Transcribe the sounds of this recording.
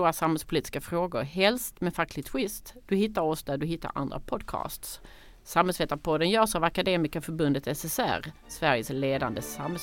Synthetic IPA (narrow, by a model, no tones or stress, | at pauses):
uːasamhɛlspʰʊliːt̪ɪskafɾoːɡʊɾɦɛlst̪mɛfakʰːlɪɡt̪ʰwɪst̪d̪̥ɵhɪt̪ːaɾɔsd̪æd̪ɵɦɪt̪ːa̰ɾʔa̰nd̪ɾa̰pʰɔd̪kʰɑ̰ːst̪s | samhɛlsvɛːt̪apʰɔd̪ənjœːʂavakad̪eːmɪskafœɾbɵnd̪ət̪ɛsɛsæ̰ɾ | svæɾjəsleːd̪a̰nd̪əsamhɛl